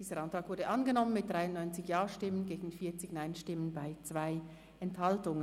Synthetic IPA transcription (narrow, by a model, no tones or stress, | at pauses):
d̥iːzəʁʔantʁ̥aːkvʊɐdəʔanɡənɔmənmɪt̚d̥ʁaɪʊnɔʏnt͡sɪçjaːʃtɪmənɡeːɡn̩fiːɐt͡sɪçnaɪnʃtɪmənbaɪt͡sv̥aɪ | ʔɛnthaltʊŋə